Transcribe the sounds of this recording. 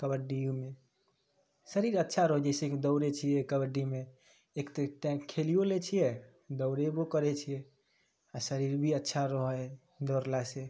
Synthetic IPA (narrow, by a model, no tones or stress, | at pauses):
kəbəɾɖijume | səɾiɾətːʃʰaɾoɦd͡ʒɛseked̪əʊɾet͡ʃʰijɛkəbəɾɖime | ekt̪ɾeʈɛ̃kkʰːelijolet͡ʃʰijɛ | d̪əʊɾebokəɾɛt͡ʃʰijɛ | asəɾiɾbʱiətːʃʰaɾoɦəj | d̪ɔɾlase